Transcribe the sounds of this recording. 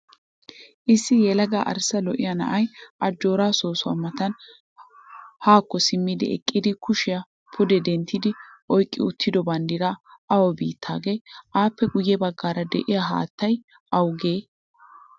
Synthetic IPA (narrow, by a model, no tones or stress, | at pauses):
ʔɪsːɪjɛlɐɡa̰ːʔɐ̰ɾsɐlɔʔɪjɐnɐ̰ʔɐjʔɐd͡ʒːo̞ːɾaːsoːsʊa̰mɐt̪ɐn | haːkːɔsɪmːɪd̪ɪ̰ɛ̰kʼːɪd̪ɪkʰʊʃɪjɐ | pʰʊd̪ɛd̪ɛnt̪ːɪd̪ɪʔɔjkʼːɪʊt̪ʰːɪd̪ɔbɐnd̪ɪɾɐʔɐwɔbiːt̪ʰːa̰ːɡeːʔaːpːɛɡʊjːɛbɐɡːaːɾɐd̪ɛʔɪjaɦa̰ːt̪ːɐj | ɐwɡeː